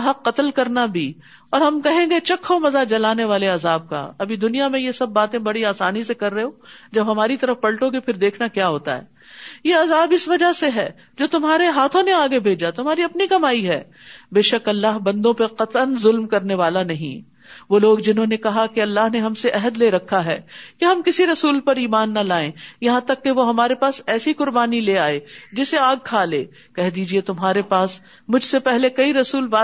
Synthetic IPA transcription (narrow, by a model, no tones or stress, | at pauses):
ɦɐqːɐt̪əlkɐɾnabʱiː | ɔːɾɦɐmkɐɦẽːɡet͡ʃɐkʰːomɐzad͡ʒɐlaːneʋaːleɐzaːb̚ka̰ɐbʱid̪ʊnijamẽjesɐbːaːt̪ẽbɐɽiaːsaːnisekɐɾːəɦeõːd͡ʒɐbɦɐmaːɾit̪ɐɾəfpɐɽʈoːɡepʰɪɾd̪eːkʰnakjaːɦoːt̪a̰ɦɛ̰ː | jeɐzaːbɪsʋɐd͡ʒaseɦɛː | d͡ʒoːt̪ʊmɦaːɾeɦaːt̪ʰõneaːɡebʱeːd͡ʒat̪ʊmɦaːɾiɐpnikɐmaːiɦɛː | beːʃɐkɐlːaːɦbɐ̃nd̪õpeqɐt̪ənzʊlmkɐɾneʋaːlanɐɦḭ̃ | ʋoːloːɡd͡ʒɪnɦõːnekɐɦakeɐlːaːɦneɦɐmseʔɛɦəd̪leːɾɐkʰːaɦɛːkeɦɐmkɪsiɾɐsuːlpɐɾiːmaːnːɐlaːẽjɐɦãt̪ɐkːeʋoɦɐmaːɾepaːsɛːsiqʊɾbaːnileːaːed͡ʒɪseaːɡ̚kʰaːleː | kɛɦd̪iːd͡ʒiet̪ʊmɦaːɾepaːs | mʊd͡ʒʱsepɛɦlekɐiɾɐsuːlbaː